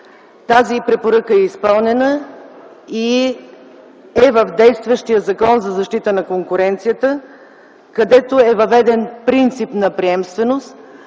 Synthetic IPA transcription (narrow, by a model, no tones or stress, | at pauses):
t̪azipɾɛpoɾəkəɛispɤlˠnɛnə | i | ɛvəvd̪ɛjst̪vəʃt̪ijəzɐkɔnzɐzɐʃt̪it̪ənɐkoŋkʊɾɛnt̪sijət̪ə | kɐd̪ɛt̪oɛvɐvɛd̪ɛnpɾint̪sipnɐpɾiɛmst̪vɛnost̪